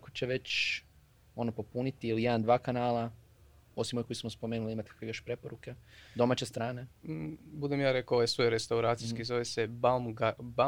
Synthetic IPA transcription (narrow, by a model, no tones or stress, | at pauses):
akot͡ɕe̞ʋe̞t͡ɕ | o̞nopo̞punit̪iilijed̪and̪ʋaːkanaːla | o̞simo̞jko̞jsmospomeːnuliimat̪i̥kʰḁkʋejoʃpɾe̞po̞ɾuke̞d̪o̞mat͡ɕe̞st̪ɾaːne̞bud̪emjaːɾekoʋajsʋojɾest̪auɾaːt̪siskizoʋesebamɡaba